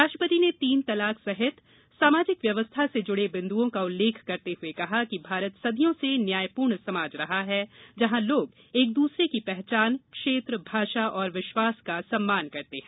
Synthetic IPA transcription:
aːʃʈɾəpət̪inet̪iːnt̪ɐlaːksɐɦɪt̪ | saːmaːd͡ʒɪkʋjɐʋəst̪ʰased͡ʒʊɽebɪ̃nd̪uõkaʊlːeːkʰkɐɾt̪eɦʊekɐɦakibʱaːɾət̪sɐd̪ʱijõsenjaːjpuːɾɳsɐmaːd͡ʒɾɐɦaɦɛd͡ʒɐɦãloːɡ | eːk̚d̪uːsɾekipɛɦt͡ʃaːnkʃeːt̪ɾəbʱaːʃaʔɔːɾʋɪʃwaːskasɐmːaːnkɐɾt̪eɦɛ̃ː

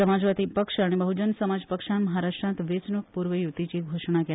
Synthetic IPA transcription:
əmad͡ʒʋat̪ipəkʂəɽebəɦud͡ʒənsəmad͡ʒpəkʃãnmɐɦaɾaʃʈɾãnt̪ʋet͡ʃnuk̚puɾʋəjut̪it͡ʃiɡʱoʂɳ̃ake

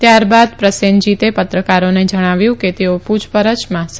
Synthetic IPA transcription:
t̪jaɾbad̪pɾəsend͡ʒit̪epət̪ɾəkaɾoned͡ʒəɽ̃aʋjũket̪eopud͡ʒpəɾət͡ʃmãs

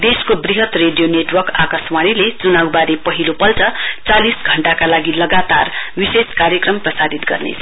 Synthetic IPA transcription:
d̪eskobriɦʌt̪reɖijoneʈwʌrkakʌswaɾilet͡sunawbaɾepʌɦilopʌlt͡sʌt͡salisɡʱʌɳʈakalaɡilʌɡat̪a̰rwiseskaɾjʌkrʌmprʌsad̪it̪ɡʌ̰rnḛsʰ

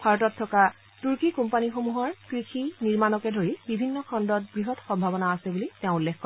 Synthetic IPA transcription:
pʰaɹɔtɔtʰːɔka | tuɹkikumpanixomuɦɔɹkɹixiniɹmanɔkɛdʱoɹibibʱinːɔkʰɔndɔt̚bɹiɦɔtxɔmbʱabɔnaːsɛbuliteʊ̃ulːexkːɔ

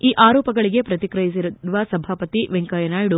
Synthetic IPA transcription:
iːʔaːɾɔːpɐɡɐɭiɡe̞pɾɐt̪ikɾɐjis̬iɾuuʋɐsɐbʱaːpɐt̪iʋeŋkajɐnaːjɽu

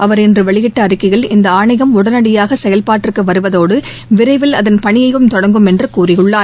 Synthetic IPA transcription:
ʔɐʋɐɾɛndrɯʋɛɭɪɣɪʈːɐːɾɪkːɐɪɣɐɭɪnd̪ɐaːɳɐɪɣɐmʊɽɐnɐɽɪjaːɣɐsɛjɐlpaːʈːrɯkːɯʋɐɾɯʋɐðoːɽɯ | ʋɪɾɐɪʋɪlɐðɐnpɐɳɪjɐjɯmt̪ɔɽɐŋɡɯmɛndrɯkuːrɪɣɯɭːaː

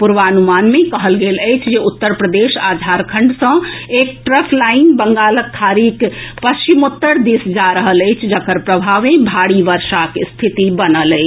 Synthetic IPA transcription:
puɾʋanumanmẽkəɦəlɡeləjt͡ʃʰd͡ʒeut̪ːəɾpɾəd̪eʃad̪ʱaɾkʰə̃ɳɖsə̃ek̚ʈɾəpʰlainbəŋɡaːləkʰːaɾikpəst͡ʃimot̪ːəɾd̪isd͡ʒaɾəɦələjt͡ʃʰd͡ʒəkəɾpɾəbʱaʋẽbʱaɽiʋəɾʃakst̪ʰit̪ibənələjt͡ʃʰ

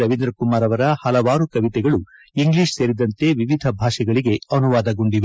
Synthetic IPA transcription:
ɐʋind̪ɾɐkumaːɾɐʋɐɾɐhɐlɐʋaːɾukɐʋit̪ɛɡɐɭu | iŋɡliːʂseɾid̪ɐnt̪e̞ʋiʋid̪ʱɐbʱaːʂɐɡɐɭiɡe̞ɐnuʋaːd̪ɐɡoɳɖiʋe

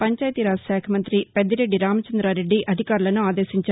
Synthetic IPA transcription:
pɐɲt͡ʃaːjɐt̪iɾaːsaːkʰɐmɐnt̪ɾiped̪ːɐɾe̞ɖːiɾaːmɐt͡ʃɐnd̪ɾaːɾe̞ɖːiʔɐd̪ʱikaːɾulɐnuaːd̪eːsiɲt͡ʃɐ

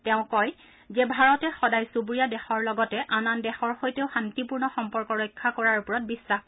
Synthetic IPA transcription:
tɛʊ̃kɔj | zɛbʱaɹɔtɛxɔdajsubɹijadɛxɔɹlɔɡɔtɛʔanandɛxɔɹxojteʊxantipuɹnɔxɔmpɔɹkɔɹɔjkʰːakɔɹaɹupɔɹɔt̚bisːax

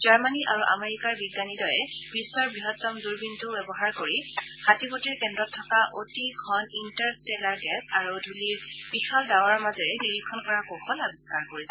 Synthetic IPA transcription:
zaɹmaniʔa̰ɹuʔa̰meɹikaɹbiɡːanidɔjɛ | b̥isːɔɹbɹiɦɔtːɔmduɹbintuwɛbɔɦaɹkoɹi | hatipotiɹkɛndɹɔtʰːɔkaʔotiɡʰʱɔnintaɹstɛlaɹɡɛsaɹudʱuliɹ | b̥ixaldawaɹmazɛɹɛniɹikʰːɔnkɔɹakoxʰɔlabiskaɹkoɹisɛ

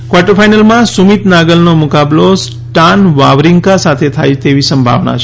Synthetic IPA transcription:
kʋaʈəɾfʰajnəlmãsumit̪naɡəlnomʊkablos | ʈanʋaʋɾiŋkasat̪ʰet̪ʰajt̪eʋisəmbʱa̰ʋna̰t͡ʃʰ

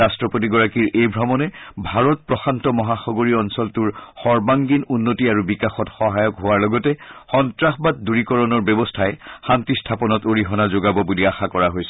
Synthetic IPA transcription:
astɹɔpot̬iɡɔɹakiɹʔejbʱɹɔmɔnɛbʱaɹɔt̚pɹɔxantɔmɔɦaxɔɡoɹiɔnsɔltuɹxɔɹbaŋɡinunːotiaɹubikaxɔtxɔɦajɔkɦoaɹlɔɡɔtɛxɔntɹaxbat̚duɹikɔɹɔnɔɹbɛbɔstʰaɛxantistʰapɔnɔtoɹiɦɔnazoɡabɔbuliaxakɔɹaɦojsɛ

